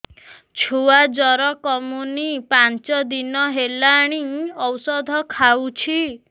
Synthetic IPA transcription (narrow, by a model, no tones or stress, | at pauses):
t͡ʃʰuad͡ʒɔɾɔkɔmunipant͡ʃɔd̪inɔɦelaɽ̃iɔwsɔd̪ʱɔkʰawt͡ʃʰi